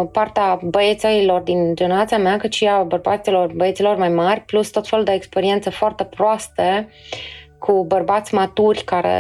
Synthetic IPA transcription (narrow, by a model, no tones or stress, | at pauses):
part̪eabəet̪seilo̞rd̪ind͡ʒeneɾat̪siameakɨt̪ʃiabərbat̪silo̞rbəet̪silo̞rmajmarʲplust̪o̞t̪fe̞luld̪eekspe̞ɾie̞nt̪səfoart̪e̞pɾoast̪ə | kʰubərbat̪sʲmat̪urʲkaɾḛ